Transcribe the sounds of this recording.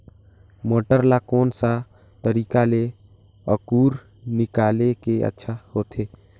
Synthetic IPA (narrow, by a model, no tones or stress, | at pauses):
moːʈəɾlakoːnsa | t̪əɾiːkale | əkuːɾ | nɪkaːlekeə̰tːʃʰahoːt̪ʰeː